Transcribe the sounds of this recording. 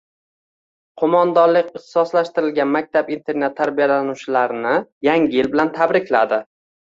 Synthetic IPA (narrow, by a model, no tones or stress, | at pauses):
qʰomɒnd̪ɒnlɪkʲɪχt̪ɪ̥sɒslaʃt̪ɪɾɪlɡʲanmak̚ʲt̪ʰapint̪ʰe̞ɾnet̪ʰːaɾbijalanʊt͡ʃɪlaɾɪnɪjaŋʲɪjɪlbɪlant̪ʰabɾɪkʲʰlad̪ɪ